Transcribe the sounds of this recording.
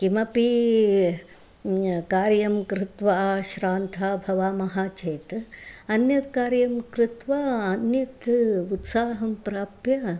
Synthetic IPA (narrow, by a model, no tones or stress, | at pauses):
kimɐpi | kaːɾjɐmkɾɪt̪ʋaʃɾaːnt̪ʰaːbʱɐʋaːmɐɦaːt͡ʃeːt̪ɐnjɐt̪kaːɾjɐmkɾɪt̪ʋaːɐnjɐt̪ut̪saːɦɐmpɾaːpjɐ